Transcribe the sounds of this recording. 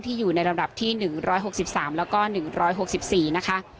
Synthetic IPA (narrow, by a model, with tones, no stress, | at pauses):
ŋt̪ʰiː˥˩juː˨˩na˧jɾa˧mda˨˩p̚t̪ʰiː˥˩nɯ˨˩ŋɾɔː˦˥jɦo˨˩k̚si˨˩p̚saː˩˦mlɛː˦˥wkɔː˥˩nɯ˨˩ŋɾɔː˦˥jɦo˨˩k̚si˨˩p̚siː˨˩na˦˥kʰa˦˥ʔ